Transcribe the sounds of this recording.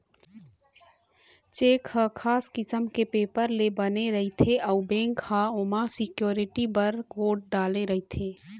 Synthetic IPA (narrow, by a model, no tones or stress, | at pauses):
t͡ʃeːkhəkʰaːskɪsəmkepeːpəɾlebəneɾəɦit̪ʰeʔəubẽːŋkhaomasɪkjoːɾɪʈibəɾɡoːɖɖaːleɾəɦit̪ʰeː